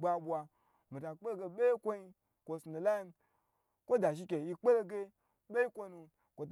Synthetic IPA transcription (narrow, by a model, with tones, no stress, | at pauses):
ba˧ɓwa˧ | mi˨ta˨k͡pe˦lɡe˧ɓe˦kʷo˦i˧ | kʷo˨sno˨la˦i˦m | kʷo˦da˨ʃ̬i˦kʲe˨i˧k͡pe˦lo˦ɡe˧ | ɓe˦i˦kʷo˧nu˧ | kʷo˨t